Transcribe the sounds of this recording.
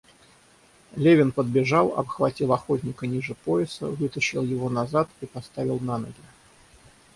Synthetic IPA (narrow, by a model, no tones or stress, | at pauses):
lʲevʲɪnpəd̪̚bʲɪʐalˠɐ̰pxvɐtʲilˠɐxotʲnʲɪkənʲiʐɨpoɪsə̰vɨt̪əɕːɪlˠjɪvo̞nɐzat̪ipɐst̪avʲɪlˠnanə̰ɡʲɪ